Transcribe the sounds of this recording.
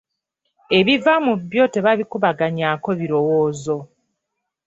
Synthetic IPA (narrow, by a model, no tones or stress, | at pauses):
e̞βivamuβjo̞te̞βaβikuβaɡaɲaːko̞βiɾo̞woːzo̞